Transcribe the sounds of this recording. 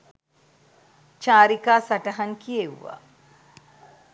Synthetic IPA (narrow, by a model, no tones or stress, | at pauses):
t͡ʃaːɾikaːsaʈɐɦɐŋkijeʋʋa̰ː